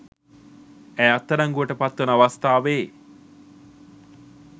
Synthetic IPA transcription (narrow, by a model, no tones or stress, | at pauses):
æːat̪ːɐɾaŋɡuəʈəpat̪ːonaʋast̪aːʋeː